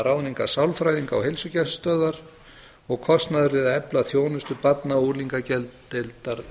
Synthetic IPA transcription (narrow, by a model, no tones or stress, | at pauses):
ɾawniŋkasawlfɾajðiŋka̰whejlsʏcɛst̪œːðaɾ̥ | ɔɣkʰɔst̪naðʏɾvɪðɛplaθjoːwnʏst̪ʏpat̪nauːliŋkacɛlt̪ːelt̪aɾ